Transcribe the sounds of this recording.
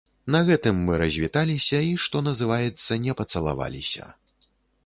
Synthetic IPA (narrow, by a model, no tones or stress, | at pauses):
nɐɣɛt̪ɨmːɨɾɐzʲvʲit̪alʲisʲɐiʂt̪ɔnɐzɨvajɛt̪sːɐnʲɛpɐt̪sɐlˠa̰va̰lʲḭsʲɐ̰